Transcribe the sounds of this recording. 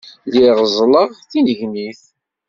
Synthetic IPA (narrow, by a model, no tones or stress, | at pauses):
liʁəzˤləʁθinəʝniθ